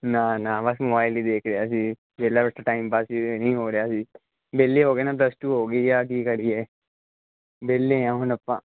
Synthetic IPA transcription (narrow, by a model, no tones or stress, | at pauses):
nanabɐsmobaːɪlid̪eːkʰɾeaːsi | d͡ʒeːlabəsʈaʈaːɪmpaːsnɐĩɦoːɾejaːsi | beːlːeɦoːɡeːnaːp̬lɐsʈuːɦoːɡɐiaːk̬iːkɐɾieː | beːlːẽjãːɦʊnɐpːã̰ː